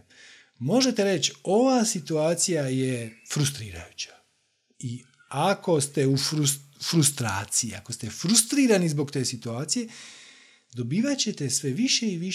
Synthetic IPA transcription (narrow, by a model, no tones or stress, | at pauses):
mo̞ʒe̞t̪eɾe̞t͡ɕo̞ʋaːsit̪uaːt̪sijajefɾust̪ɾiːɾa̰jut͡ɕḁ | i | ako̞st̪e̞ufɾusfɾust̪ɾa̰ːt̪sijia̰ko̞st̪efɾust̪ɾiːɾanizbo̞kt̪e̞ːsit̪uaːt̪sije̞ | d̪o̞biːʋat͡ɕe̞t̪e̞sʋe̞ʋiʃe̞iʋi